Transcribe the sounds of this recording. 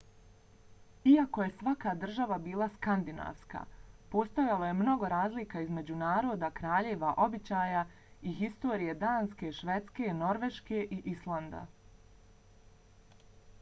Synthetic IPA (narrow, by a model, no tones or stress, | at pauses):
iako̞je̞sʋakad̪r̩ʒaʋabiːlˠaskand̪ina̰ːʋska̰po̞st̪ojaloje̞mno̞ɡo̞ɾaːzlikaizme̞d͡ʑunaːɾo̞ːd̪akɾaːʎeʋaʔo̞bit͡ɕaːja | iɦist̪oːɾije̞d̪aːnske̞ʃʋe̞t̪ske̞no̞ɾʋe̞ʃke̞ʔiʔislˠand̪a̰